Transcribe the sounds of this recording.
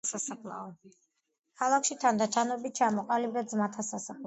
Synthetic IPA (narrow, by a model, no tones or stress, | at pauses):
sasapʰlˠa̰ɔ | kʰalˠakʰʃit̪ʰand̪at͡ʃʰanɔbit̪̚t͡ʃʰamɔqʼalibɾɛzmat̪ʰasasapʰl